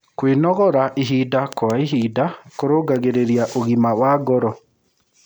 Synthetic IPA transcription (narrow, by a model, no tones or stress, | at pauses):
kwenɔɣɔɾaʔiɦiːdakɔaiɦidakoɾoːɡaɣeɾeɾjaʔoɣimawaːɡɔɾɔ